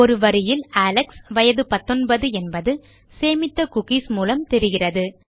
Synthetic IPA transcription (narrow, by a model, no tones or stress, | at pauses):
ɔɾɯʋɐɾɪjɪlaːlɐksʋɐjɐðɯpɐt̪ːɔnbɐðɯɛnbɐðɯ | seːmɪt̪ːɐkʊɣismuːlɐmt̪ɛɾɯɣɪrɐðɯ